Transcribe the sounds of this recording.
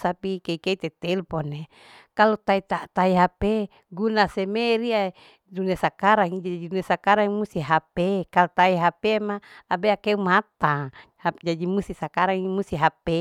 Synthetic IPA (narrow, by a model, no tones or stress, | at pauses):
sapikeikeit̪et̪ɛlpone | kalot̪ait̪aʔt̪aiɦape | ɡunasemeɾia | dunesakaɾaŋid͡ʒad͡ʒad͡ʒidunesakaɾaŋimust̪iɦapekalut̪aiɦapemalabeakeumat̪a | had͡ʒadimust̪isakaɾaŋimust̪iɦape